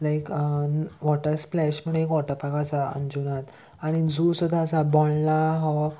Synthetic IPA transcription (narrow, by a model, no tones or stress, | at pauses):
lajkəʋɔʈəɾsplɛɕməɽ̃ɦekʋɔʈəpakasaə̰nd͡ʑunat̪ | aɽ̃id͡zusud̪ʱaːsabɔɳlaɦɔ